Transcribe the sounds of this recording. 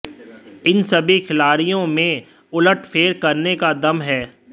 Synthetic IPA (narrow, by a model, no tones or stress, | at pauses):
ɪnsɐbʱixʰɪlaːɾijõmẽ | ʊləʈfʰeːɾkɐɾnekad̪ɐmɦɛː